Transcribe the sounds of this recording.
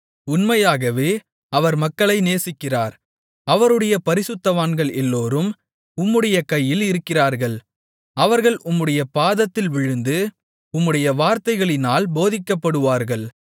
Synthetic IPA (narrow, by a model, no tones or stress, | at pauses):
ʊnmɐjaːɣɐʋeː | ɐʋɐɾmɐkːɐɭɐɪneːsɪkːɪraːɾ | ɐʋɐɾɯɽɐjɐpɐɾɪsɯt̪ːɐʋaːnɡɐɭɛlːoːɾɯm | ʊmːɯɽɐjɐkɐjːɪlɪɾɯkːɪraːɾɣɐɭ | ɐʋɐɾɣɐɭʔʊmːɯɽɐjɐpaːðɐt̪ːɪlʋɪɻɯnd̪ɯ | ʊmːɯɽɐjɐʋaːɾt̪ɐɪɣɐɭɪnaːlboːðɪkːɐpːɐɽɯʋaːɾɣɐɭ